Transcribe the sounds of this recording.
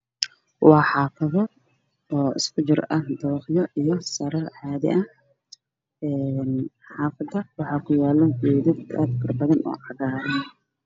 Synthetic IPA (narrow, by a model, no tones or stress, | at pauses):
wɑːħɑːfɐðɔ | ɔːɪ̰skʰʊt͡ʃɪrʔɐd̪ɐwɑχjɔʔijɔsɐɾɐrʕɑːðɪ̰ʔɐh | ɛːnħħɑːfɐd̪ɐwɑħɑːkʰʊjaːlɔʔɛːðɪɡa̰ːd̪kʰɐrbɐðɐnɔ̰ːʕɑɣaːɾɛn